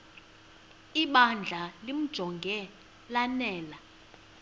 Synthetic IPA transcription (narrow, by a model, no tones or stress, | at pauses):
iɓand͡ɮʱalim̩d̥ʒ̥ʱɔŋɡʱɛ | lanɛːla